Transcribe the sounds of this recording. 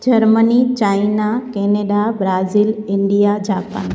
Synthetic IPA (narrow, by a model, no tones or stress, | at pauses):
d͡ʑɐɾmənit͡ɕaːinakeːneːɗabɾaːziːlɪ̃ɳɖijad͡ʑaːpa̰n